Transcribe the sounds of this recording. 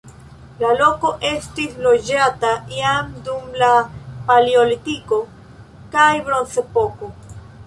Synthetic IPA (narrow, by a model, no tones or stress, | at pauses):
lalo̞ko̞ʔe̞stislo̞d͡ʒataiamdumlapalio̞litiko̞ | kajbɾo̞nt͡sepo̞ko